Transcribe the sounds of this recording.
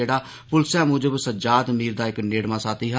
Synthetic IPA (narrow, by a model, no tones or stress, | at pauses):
eːɽaː | pʊlsãːmʊ̃ːd͡ʒəbsəd͡ʒaːd̪miːɾd̪aːɪkneːɽmãːsaːt̪iːɦ